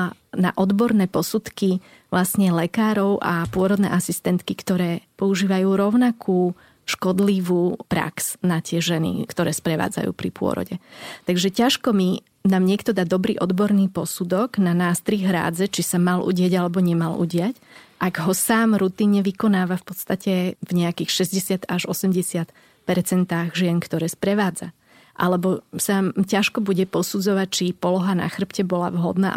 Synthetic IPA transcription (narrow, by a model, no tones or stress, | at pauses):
na̰ʔɔd̪bɔɾnɛːpɔsut̪ki | ʋlasɲɛlɛkaːɾɔʊʔa̰pʊɔɾɔd̪nɛ̰ːʔasist̪ɛnt̪kikt̪ɔɾɛːpɔuʒiːʋajuːɾɔʊnakʰuː | ʃkɔd̪liʋuːpɾa̰ksnat̪ɪɛʒɛnḭkt̪ɔɾɛːspɾɛʋa̰ːd͡za̰jṵːpɾḭpʊɔ̰ɾɔ̰ɟɛt̪aɡʒɛcaʃkɔmi | naːmɲɪɛkt̪ɔd̪ad̪ɔbɾḭːʔɔd̪bɔɾniːpɔsud̪ɔɡnanaːst̪ɾiɣɦɾa̰ːd͡zɛt͡ʃisamalʔṵɟɪaɟalɛbɔɲɛmalʔṵɟɪacʔaɡɦɔsaːmɾut̪iɲɲɛʋikɔnaːʋafpɔt̪st̪acɛvɲɛakiːxʃɛzɟɛsɪat̪aʒɔsɛmɟɛsɪat̪ | pɛɾt͡sɛnt̪aːɣʒɪɛŋkt̪ɔɾɛːspɾɛʋaːd͡za | ʔa̰lɛbɔsacaʃkɔbuɟɛpɔsud͡zɔʋac̚t͡ʃipɔlɔɦana̰xr̩pcɛbɔla̰ʋɦɔ̰d̪na̰